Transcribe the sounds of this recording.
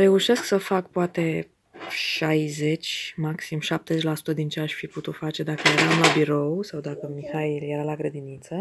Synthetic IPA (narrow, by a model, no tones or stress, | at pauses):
ɾe̞uʃe̞sksəfak̚poat̪e̞ | ʃajze̞t͡ʃʲmaksimʃap̚t̪ezet͡ʃʲlasu̥t̪əd̪int͡ʃeaʃfiput̪ut̪fat͡ʃe̞d̪akəje̞ɾamlabiɾo̞wsawd̪akəmixailje̞ɾalaɡɾəd̪init̪sə